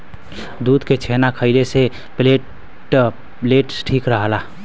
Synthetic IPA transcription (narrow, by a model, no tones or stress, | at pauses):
d̪ud̪ʱket͡ʃʰenakʰəɪlese | ple | pleʈsʈʰikɾəɦəla